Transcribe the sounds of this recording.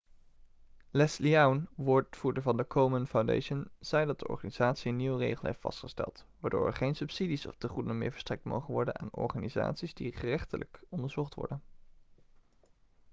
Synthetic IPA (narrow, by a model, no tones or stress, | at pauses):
lɛsliawnʋʊːɹtfuːɹdəvɑndəkʰowmənfawndḛjʃənz̥ɛjdɑt̚dəʔɔ̰ɹχaːniz̥aːtsiənːiwərḛjχəlˠɦḛjftfɑ̰stχəstɛ̰lˠtʋaːɹdo̰ːɹɛ̰ɹχejnsɵpsidisɔ̰fdəχudənənmɪ̰ːɹvəɹstrɛk̚tmo̰wχənʋɔɹdəna̰ːnɔ̰ɹχaːniza̰ːtsizdiχərɛχtəlʔə̰kɔndəɹzɔχtʋɔ̰ɹdən